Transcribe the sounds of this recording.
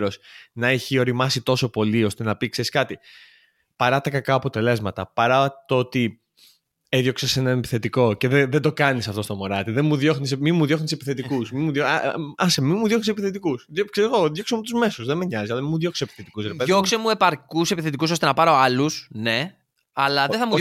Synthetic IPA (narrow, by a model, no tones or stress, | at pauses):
ɾosnɐeçio̞ɾimɐsit̪o̞so̞po̞lio̞st̪e̞nɐpikse̞ɾiskɐt̪i | pɐɾɐt̪ɐkɐkɐɐpo̞t̪e̞le̞zmɐt̪ɐpɐɾɐt̪oot̪i | eðjo̞ksese̞nɐnepi̥θe̞t̪iko̞ceðeðed̪o̞kɐnisɐft̪o̞st̪o̞mo̞ɾɐt̪iðenmuðjo̞xnismimuðjo̞xnisepiθe̞t̪ikusmimuðjoɐsemimuðjo̞xnisepiθe̞t̪ikusðokseiɣoðjo̞ksemut̪uzme̞suzðemeɲɐzisɐlɐmimuðjoksi̥sepi̥θe̞t̪i̥kusɾeeokkse̞mue̞pɐɾkuse̞piθe̞t̪ikuso̞st̪e̞nɐpɐɾo̞ɐlusne̞ | ɐlɐðeθɐmu